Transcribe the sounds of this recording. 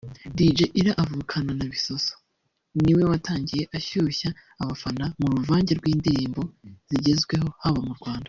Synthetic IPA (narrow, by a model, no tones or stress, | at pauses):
did͡ʒe̞ʔiɾaʔavuːkʰananaβiso̞so̥ | niwe̞wataːɲɟije̞ʔaçuːçaː | βafanamuɾuvaːɲɟe̞ɾɡwiːndiɾiːmbo̞z̥iɟezɡwe̞ho̞haβamuɾɡwaːnda